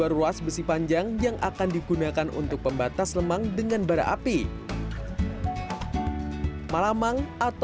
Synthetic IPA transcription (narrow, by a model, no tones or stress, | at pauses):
aruasbəsipaɲd͡ʒaŋjaŋʔa̰kandiɡunakanṵnt̪ʊk̚pəmbat̪asləmaŋdəŋanbaɾa̰ʔa̰pi | malamaŋʔat̪